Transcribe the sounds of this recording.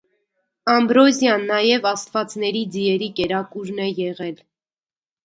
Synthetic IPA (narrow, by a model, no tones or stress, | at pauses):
ɑmbɾɔzjɑnːɑjɛvɑst̪vɑt͡snɛɾid͡ziɛɾikɛɾɑkuɾnɛjɛʁɛl